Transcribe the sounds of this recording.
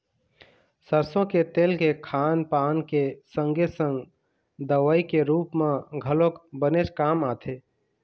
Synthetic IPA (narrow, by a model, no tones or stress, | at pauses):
səɾsõket̪eːlkekʰaːnpaːnkesə̃ŋɡesə̃ŋɡ | d̪əʋəikeɾuːpmẽɡʱəlokbənet͡ʃkaːmaːt̪ʰeː